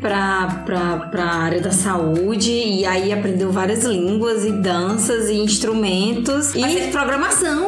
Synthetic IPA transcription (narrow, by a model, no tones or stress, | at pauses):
pɾɐpɾɐpɾɐaɾiɐd̪ɐsaud͡ʒɪɪaiapɾẽnd̪ewvaɾiɐzlĩɡwɐzɪd̪ɐ̃sɐzɪĩʃt̪ɾumẽnt̪ʊsɪevɪpɾɔɡɾɐ̃masɐ̃w̃